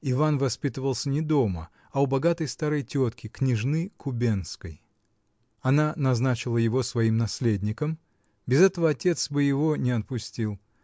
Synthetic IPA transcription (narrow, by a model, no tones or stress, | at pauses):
ɪvanvɐspʲit̪əvəlˠsʲənʲɪd̪o̞mə | aʊbɐɡat̪əjst̪aɾəjtʲo̞t̪kʲɪknʲɪʐnɨkʊbʲenskəj | ɐnanɐznat͡ɕɪlˠəjɪvo̞svɐimnɐsʲlʲedʲnʲɪkəm | bʲɪzɛt̪əvəɐtʲe̞t̪sbɨjɪvo̞nʲɪɐt̪̚pʊsʲtʲilˠ